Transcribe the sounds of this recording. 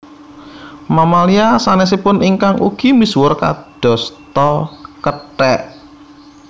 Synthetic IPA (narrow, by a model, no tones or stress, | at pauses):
mamaliasanɛs̬ipʊniŋkaŋṵɡ̥i̤miswʊrka̰d̪̥ɔ̤st̪ɔkəʈɛʔ